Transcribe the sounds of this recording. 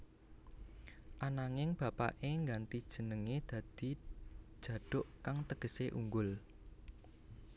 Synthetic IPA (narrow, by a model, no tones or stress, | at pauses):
ʔanaŋɪŋb̥ä̤pa̰ʔeŋɡant̪id̥ʒ̥ə̤nəŋed̪̥ä̤d̪̥i̤̥ʒ̥ä̤ɖ̥ʊ̤ʔkaŋt̪əɡ̥ə̤seʔṵŋɡʊl